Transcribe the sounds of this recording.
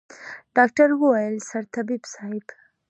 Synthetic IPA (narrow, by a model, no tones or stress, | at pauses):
ɖ̥ɑk̚ʈaɾwəwajəlsaɾt̪abibsɑɪb